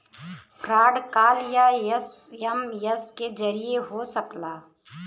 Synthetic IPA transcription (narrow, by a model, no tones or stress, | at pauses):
kɾaːɖkaːljajəs | jɐmjɐsked͡ʒɐɾijeɦosəklaː